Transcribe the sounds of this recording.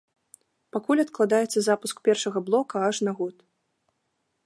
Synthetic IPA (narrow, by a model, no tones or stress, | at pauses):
pakulʲɐt̪klˠad̪ajɛt̪sːɐzapuskpʲɛrʂɐɣɐblˠɔkɐaʂnaɣɔt̪